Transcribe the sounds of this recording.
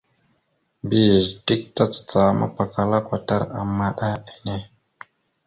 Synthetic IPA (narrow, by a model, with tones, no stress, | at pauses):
mbi˦˨ɾti˦k̚ta˦t͡sḁ˨t͡sa˨ma̰˦pa˨ka˨la˦kʷa˨ta˦ɾa˨mːa˦ɗa˦e˨ne˦